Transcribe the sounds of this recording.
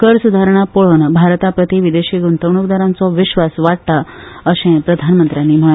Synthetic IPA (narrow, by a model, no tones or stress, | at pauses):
kəɾsud̪ʱaɾɳ̃apoɭonbʱaɾt̪apɾət̪iʋid̪eɕiɡunt̪əʋɳukd̪əɾãnt͡sɔʋiɕʋasʋaʈ̚t̪aəɕẽpɾəd̪ʱanmənt̪ɾjanːiːm̤əɭ